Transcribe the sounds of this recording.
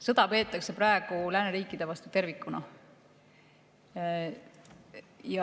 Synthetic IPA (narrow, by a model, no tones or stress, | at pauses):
sɤd̪̥ɑpe̞ːt̪ːˑɑkse̞prɑe̞ɡ̥ulæːneɾiːkːˑid̪̥e̞vɑst̪ut̪e̞rvikːˑunɑ | jɑ